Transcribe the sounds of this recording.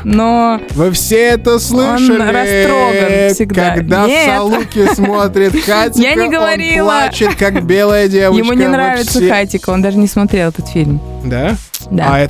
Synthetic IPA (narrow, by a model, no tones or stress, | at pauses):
novɨfsʲeɛt̪əslˠɨonəlʲɪɾɐt̪ɾoɡənfsʲɪɡdkɐɡd̪aeslˠukʲɪsmo̞t̪ɾʲɪt̪xatʲɪjanʲɪɡəvɐɾʲillˠat͡ɕɪt̪kakbʲelˠəjədʲevəjɪmunʲɪnɾavʲɪt̪səxatʲɪkəo̞nd̪aʐɨnʲɪsmɐt̪ɾʲelˠɛt̪ət̪fʲilʲm | d̪ad̪aaɛ